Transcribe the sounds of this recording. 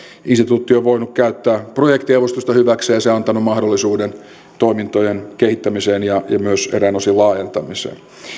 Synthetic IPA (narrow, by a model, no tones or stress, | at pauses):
inst̪it̪uːt̪ːioʋoinukkæyt̪ːæːprojekt̪ieʋost̪ust̪ɑhyʋækseːjɑseɑnt̪ɑnummɑhdolːisuːden | t̪oimint̪ojenkehit̪ːæmiseːnjɑjɑ̰myøseɾæːnosilɑːjent̪ɑmisḛːn